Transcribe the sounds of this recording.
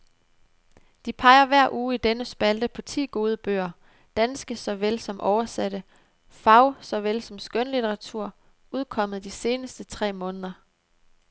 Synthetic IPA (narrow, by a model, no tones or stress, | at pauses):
d̥ipʰɑ̈ɪɐʋæɐ̰ʔuːid̥enəsb̥æld̥əpʰɒ̽t͡sʰḭːɡ̥o̝ːð̞ˠəb̥ø̰ːɐ | d̥ænsɡ̥əsɒ̽ʋel̰sɒ̽mʔɒʊɐsæɾ̥ə | fɑ̈ʊsɒ̽ʋelsɒ̽msɡ̥ønəlit͡sʰeʁɑ̈t͡sʰuɐ̰ | uð̞ˠkʰɒ̽m̰ð̩ˠd̥ise̝ːnəsd̥ət͡sʰʁɛ̰ːmɔ̽ːnəð̞ˠɐ